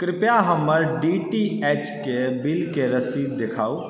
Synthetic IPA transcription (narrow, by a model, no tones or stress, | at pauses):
kɾɪpjaɦəmːəɾɖiʈiɛt͡ʃkebɪlkeɾəsiːd̪ːekʰaːu